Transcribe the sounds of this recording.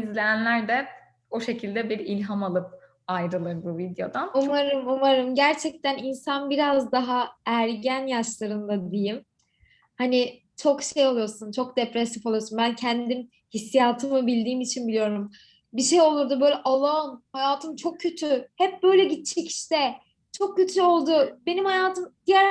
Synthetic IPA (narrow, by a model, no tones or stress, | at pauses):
izlʲejænlʲæɾd̪ɛ | oʃe̞cʰilʲd̪ɛbiɾilʲɦamalˠɯp̚ | ajɾɯlˠɯɾbuvid̪jo̞̰d̪anumaɾɯmumaɾɯmɟæɾt͡ʃʰɛc̚t̪æninsanbiɾazd̪aɦaæɾɟænjaʃlˠaɾɯnd̪ad̪ijim | hani | t͡ʃʰo̞kʃejolˠujo̞ɾsunt͡ʃʰo̞k̚d̪epɾesifo̞lˠujosunbæncʰɛnd̪in | hisːijaːt̪ʰɯmɯbilʲd̪iːmit͡ʃʰinbilʲijo̞ɾum | biʃejo̞lˠuɾd̪ubø̞jlʲɛʔalˠonhajaːt̪ʰɯmt͡ʃʰo̞k̚cʰːø̞t̪ʰyhɛp̚bø̞jlʲɛɟit̪̚t͡ʃʰɛcʰi̥ʃt̪ɛ | t͡ʃʰo̞k̚cːøt̪ʰyo̞lˠd̪ʊbe̞nimhajaːt̪ʰɯmd̪̥ijæɾ